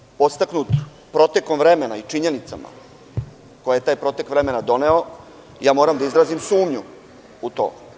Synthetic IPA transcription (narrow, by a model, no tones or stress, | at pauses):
po̞st̪aknut̪ | pɾo̞t̪eko̞mvɾe̞me̞nait͡ʃiɲe̞nit̪sa̰ma̰ | kojajet̪aːjpɾo̞t̪ekʋɾe̞me̞nad̪o̞ne̞o | jaːmo̞ːɾamd̪aizɾaːzimsuːmɲu | ut̪o̰ː